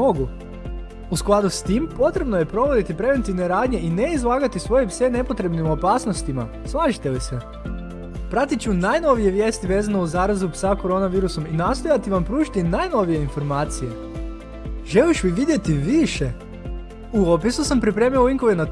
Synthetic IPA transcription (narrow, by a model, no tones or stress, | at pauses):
oɡu | usklˠad̪ust̪impo̞t̪ɾe̞bno̞je̞pɾo̞ʋo̞d̪it̪ipɾe̞ʋe̞nt̪iʋneɾaːd̪ɲe̞ʔineizlˠaːɡat̪isʋo̞jepsene̞po̞t̪ɾe̞bnimo̞paːsno̞st̪ima̰ | slˠaːʒit̪elise | pɾat̪it͡ʃunaːjno̞ʋije̞ʋje̞ːst̪iʋe̞ːzanouzaːɾazupsako̞ɾo̞naʋiːɾuso̞minast̪o̞jat̪iʋampɾuːʒit̪inaːjno̞ʋije̞info̞ɾmaːt̪sije̞ | ʒeliʃʋiʋid̪je̞t̪iʋiʃe | uopisusampɾipɾe̞ːmioiŋkoʋena